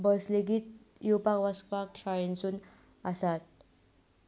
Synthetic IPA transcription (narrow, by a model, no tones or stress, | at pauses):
bəsleɡiːt̪̚ | jupakʋaskpakɕʰaɭensuːn | asat̪̚